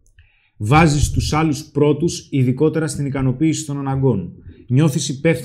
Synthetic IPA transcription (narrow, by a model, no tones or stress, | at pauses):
vɐzist̪usɐluspɾo̞t̪usiðiko̞t̪e̞ɾɐst̪inikɐno̞piːsi̥t̪o̞nɐnɐɡo̞nɲo̞θisipe̞fθ